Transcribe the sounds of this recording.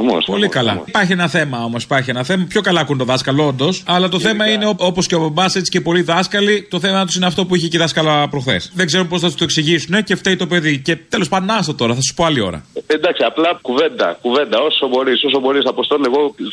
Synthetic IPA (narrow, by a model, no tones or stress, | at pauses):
po̞̰likɐlɐ̰pɐɾçie̞nɐθe̞mɐo̞mo̞si̥pɐɾçienɐθe̞mɐpço̞kɐlɐːkunet̪oðɐskɐloond̪o̞sɐlɐt̪oθemɐine̞oopo̞sceobɐbɐse̞t͡si̥ce̞po̞liðɐskɐlit̪o̞θe̞mɐt̪u̥sineɐft̪o̞puiçeciðɐskɐlɐpɾo̞xθe̞̰sðeɡze̞ɾumpo̞sθɐt̪ust̪oeksiʝisune̞ceft̪eit̪o̞pe̞ðice̞t̪e̞lo̞spɐd̪onɐst̪ot̪o̞ɾɐθɐsu̥po̞ɐlio̞̰ɾɐ̰end̪ɐksiɐplɐkuve̞nd̪ɐ̰kuve̞nd̪ɐo̞sobo̞ɾisos̬obo̞ɾisɐpost̪oneɣo